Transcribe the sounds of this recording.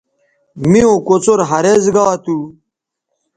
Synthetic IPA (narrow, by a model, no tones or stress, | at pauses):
miõkot͡soɾɦɐɾezɡawat̪u